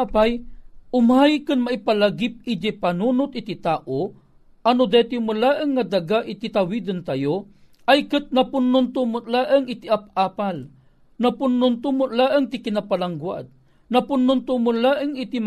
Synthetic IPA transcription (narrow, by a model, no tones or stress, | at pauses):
apajʔʊmajkɨnmaʔipalaɡip̚id͡ʒapanunʊt̪̚ʔɪt̪it̪aːʔo | anʊd̪ɛt̪imulaːʔəŋːad̪aɡaʔɪt̪it̪awid̪ənt̪ajo | ajkɨt̪̚napʊnːʊnt̪ʊmʊlaʔəŋɪt̪iʔap̚aːpal | napʊnːʊnt̪ʊmʊlaːʔəŋt̪ɪkɪnapalaŋɡwa̰d̪̚ | nɐpʊnːʊnt̪ʊmʊlaʔəŋit̪im